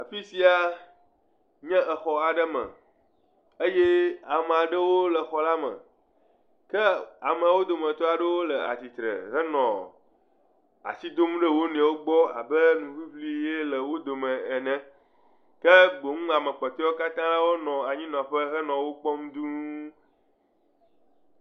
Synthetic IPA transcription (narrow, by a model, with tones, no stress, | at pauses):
a˨fi˦si˦a˦ | ɲɛ̃˦ʔə˨xɔ˨a˨ɖə˦mə̰̃˨ | ə˦je˦a˨me˨a˨ɖə˦wo˦lə˨xɔ˨la˦mə̰̃˨ | kə˦a˨mə˨wo˦d̪o˨mə̃˨t̪o˦a˨ɖə˦wo˦lə˨a̰˨t̪i˨t̪ɾə̰˨ɦə˦nɔ̰̃˨ | a̰˨si˦d̪o˦m̃˦ɖə˦wo˦nẽ˨wo˦ɡ͡bɔ˦a̰˨bə˦nũ˨ɸi˦ɸli˦je˦lə˨wo˦d̪o˨mɛ̃˨ɛ˨nɛ̃˦ | kə˦ɡ͡bo˨ŋũ˦a˨mə̃˨k͡pɛ˨t̪ɔ˦o˦ka˦t̪ã˦la˦wo˦nɔ̃˨a˨ɲĩ˦nɔ̃˨ɸə˦ɦə˦nɔ̃˨wo˦k͡pɔ˦m˦d̪u˦